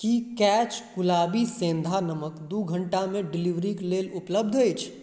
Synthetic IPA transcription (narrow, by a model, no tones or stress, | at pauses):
kikɛːt͡ʃkʊlaːbisẽːnd̪ʱanɐməkd̪uɡʱə̃ɳʈamẽɖɪliʋɾikleːlʊpləb̚d̪ʱet͡ʃʰ